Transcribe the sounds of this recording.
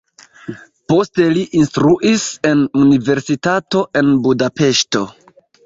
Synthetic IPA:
po̞ste̞liʔinstɾuʔise̞nunive̞ɾsitato̞ʔe̞nbudape̞ʃto̞

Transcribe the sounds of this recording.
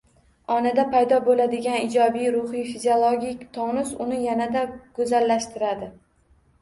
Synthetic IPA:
ɒnad̪apʰajd̪ɒbolad̪ɪɡʲanɪd͡ʒɒbijɾʊhijfiziolˠoɡʲikʲt̪ʰɒnɪsʊnɪjanad̪aɡ̥ɵzalːaʃt̪ɪɾad̪ɪ

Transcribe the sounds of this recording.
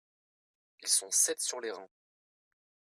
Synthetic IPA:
ilsɔ̃sɛt̪syʁleʁɛ̃

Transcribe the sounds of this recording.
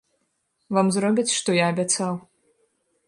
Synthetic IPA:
vamzɾɔbʲit͡sʲʂt̪ɔjaːbʲat̪saw

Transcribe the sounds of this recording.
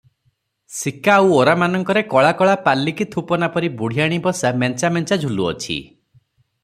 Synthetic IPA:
sikaːwoɾamanɔŋkɔɾekɔɭakɔɭapalːikit̪ʰupɔnapɔɾibuɽ̤ijaɽ̃ibɔsamɛnt͡ʃamɛnt͡ʃad͡ʒʱuluɔ̰t͡ʃʰḭ

